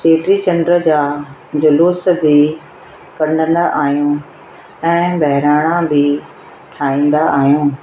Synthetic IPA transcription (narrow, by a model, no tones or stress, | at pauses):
seːʈɾit͡ɕɐ̃ɳɖɾəd͡ʑaːd͡ʑʊluːsbʱɪ | kɐɾɖ̤ə̃nd̪aʔaːɦijũː | ɛ̃ːbɐɦɪɾaːɽ̃ãbʱɪ | ʈʰaːĩːnd̪aaːɦijũː